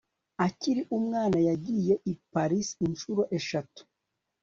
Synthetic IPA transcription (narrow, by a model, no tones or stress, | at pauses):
aciɾiʔumŋaːnajaɟije̞ʔipaɾisinʃuɾo̞ʔeʃatu̥